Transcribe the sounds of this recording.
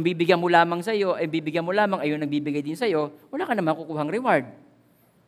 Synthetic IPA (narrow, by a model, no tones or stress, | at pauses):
mbiːbɪɡjanmolaːmɐŋsɐjo̞ʔɐjmbiːbɪɡjanmolaːmɐŋɐjonɐŋbiːbɪɡajd̪ɪnsɐjo̞wɐlaːkɐnɐmaːkukuːɦɐŋɾɪwaɹd̪̚